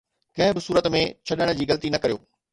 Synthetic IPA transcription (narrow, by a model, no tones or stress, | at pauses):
kɐ̃ɦɪ̃bɪsuːɾət̪mẽt͡ɕʰɐɗəɽ̃̆d͡ʑiːɣɐlət̪inɐkɐɾijo̰ː